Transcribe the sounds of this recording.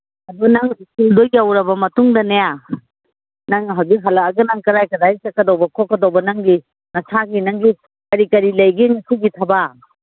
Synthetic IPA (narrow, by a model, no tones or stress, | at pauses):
ɐdunaŋikildojawɾɐbɐmɐtuŋdɐnaja | naŋɦawzikɦɐlɐkɐɡɐnaŋkɐɾajkɐdajsɐkːɐdɔwbɐkʰɔkːɐdɔwbɐnaŋɡi | nɐsʰaɡinaŋɡi | kɐɾikɐɾilɐjɡiŋikʰuɡitʰaba